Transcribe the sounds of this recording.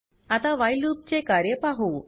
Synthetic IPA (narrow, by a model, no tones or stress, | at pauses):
at̪aʋajlup̚t͡ɕekaɾjəpaɦu